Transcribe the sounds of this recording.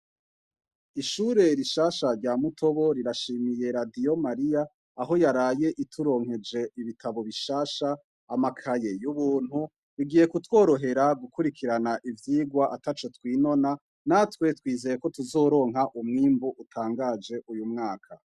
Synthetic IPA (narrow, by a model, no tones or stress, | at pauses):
iʃuːɾe̞ɾiʃaːʃaɾɟaːmutʰo̞βo̞ɾiɾaʃiːmije̞ɾadijo̞maɾijaː | ɦo̞jaɾaːje̞ʔitʰuɾo̞ːŋhe̞d͡ʒe̞iβitaβo̞βiʃaːʃaː | makʰaje̞juβuːn̥hu | ɾiɡiːje̞kutwo̞ːɾo̞ɦe̞ɾaɡukuɾikʰiɾanaʔivjiːɡwaʔatat͡ʃotwiːno̞na | natwe̞twiːze̞je̞ko̞tuzo̞ɾo̞ːŋɦaʔumŋiːmbuʔutʰaːŋɡaːd͡ʒe̞ʔujumŋaːkʰa